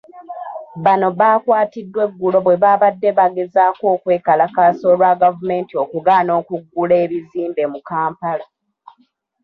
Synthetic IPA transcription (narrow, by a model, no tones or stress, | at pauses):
βano̞βaːkwaːtidːwe̞ɡːulo̞βwe̞βaβadːe̞βaɡe̞zaːko̞ːkwe̞ːkalakaːso̞ːlwaɡavume̞ːntio̞kuɡaːno̞ːkuɡːule̞ːβiziːmbe̞mukaːmpala